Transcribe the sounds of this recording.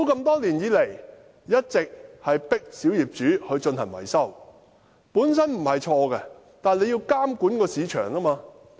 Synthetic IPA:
t̪o˧˥wkɐ˧mt̪ɔː˥liː˨˩njiː˨˥le˨˩j | jɐ˥t̚t͡sɪ˨k̚hɐ˨jpɪ˥k̚siː˨˥wjiː˨˩p̚t͡ʃyː˨˥hɵ˨˧ɥt͡ʃɵ˧nhɐ˨˩nwɐ̰˨˩jsɐ˥˩w | puː˨˥ns̬ɐ˥nm̩˨˩hɐ˨jt͡ʃʰɔː˧kɛ˧ | t̪aː˨˩nle˨˧jiː˧wkaː˥mkuː˨˥nkɔː˧siː˨˧t͡ʃʰœ̰ː˨˩ŋlaː˥maː˧

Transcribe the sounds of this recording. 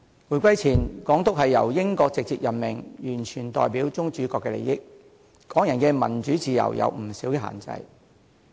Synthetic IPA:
wuː˨˩jkʷɐ˥jt͡sʰiː˨˩nkɔː˨˥ŋt̪ʊ˥k̚hɐ˨jːɐ̰˨˩wjɪ˥ŋkɔː˧k̚t͡sɪ˨k̚t͡siː˧t̚jɐ˨˩nmɪ˨˩ŋjyː˨˩nt͡ʃʰyː˨˩nt̪ɔ̰ː˨jpiː˨˥wt͡sʊ˥ŋt͡ʃyː˨˥kɔː˧kːɛː˧lḛ˨˩jɪ˥k̚ | kɔː˨˥ŋjɐ˨˩nkɛː˧mɐ̰˨˩nt͡ʃyː˨˥t͡siː˧jɐ̰˨˩wjɐ̰˨˧wm̩˨˩siː˨˥wkɛ˧ha̰ː˨˩nt͡sɐ̰˧j

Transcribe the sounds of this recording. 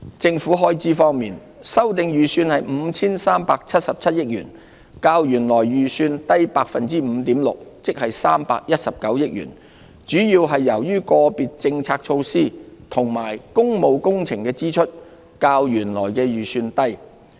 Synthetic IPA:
t͡sɪ˧ŋfuː˨˥ɦɔː˥jt͡siː˥fɔː˥ŋmiː˨˩n | sɐ˥wt̪ɪ˨˧ŋjyː˨syː˧nhɐ˨jm̩˨˧t͡sʰiː˥nsaː˥mpaː˧k̚t͡sʰɐ˥t̚sɐ˨p̚t͡sʰɐ˥t̚jɪ˥k̚ɥyː˨˩n | kaː˧wjyː˨˩nlɔː˨˩jːyː˨syː˧nt̪ɐ˥jpaː˧k̚fɐ˨nt͡siː˥m̩ː˨˧t̪iː˨˥mlʊ̰˨k̚t͡sɪ˥k̚hɐ˨jsaː˥mpaː˧k̚jɐ˥t̚sɐ˨p̚kɐ˨˥wjɪ˥k̚jy̰ː˨˩n | t͡ʃyː˨˥jiː˧wɦɐ˨jːɐ˨˩wjyː˥kɔː˧piː˨t̚t͡sɪ˧ŋt͡sʰaː˧k̚t͡ʃʰo˧wsiː˥t̪ʰʊ˨˩ŋmaː˨˩jkʊ˥ŋmo˨˧wkʊ˥ŋt͡sʰɪ˨˩ŋkɛː˧t͡siː˥t͡ʃʰɵ˥t̚ | kaː˧wjyː˨˩nlɔ̰ː˨˩jkɛː˧jyː˨˩syː˧nt̪ɐ˥j

